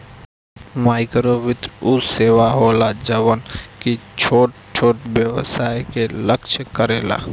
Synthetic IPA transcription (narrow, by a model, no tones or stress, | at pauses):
maːɪkɾoʋɪt̪ɾʊeːʋaɦoːlad͡ʒəʋənkit͡ʃʰoːʈ̚ | t͡ʃʰoːʈbjəʋsaːjkeləkʃkəɾeːla̰ː